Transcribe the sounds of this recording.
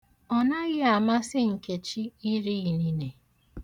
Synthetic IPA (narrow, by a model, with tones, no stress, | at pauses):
ɔ˨na˦ɣɪ˦a˨ma˦sɪ˦ŋ̩˨ke˨t͡ʃi˦i˦ɾi˦i˨ni˦ne˨